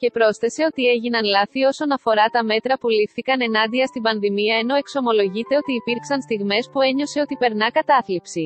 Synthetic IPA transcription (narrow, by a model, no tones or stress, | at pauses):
ce̞pɾo̞sθe̞se̞o̞t̪ie̞ʝinɐnlɐθio̞so̞nɐfo̞ɾɐt̪ɐme̞t̪ɾɐpulifθikɐne̞nɐnd̪iɐst̪imbɐnðimiɐe̞no̞e̞kso̞mo̞lo̞ʝit̪e̞o̞t̪iːpiɾksɐnst̪iɣme̞spue̞ɲo̞se̞o̞t̪ipe̞ɾnɐkɐt̪ɐθlipsi